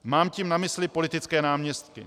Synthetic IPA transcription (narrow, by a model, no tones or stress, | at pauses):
maːmciːmnamɪslɪpo̞lɪt̪ɪt͡skɛːnaːmɲɛst̪kɪ̰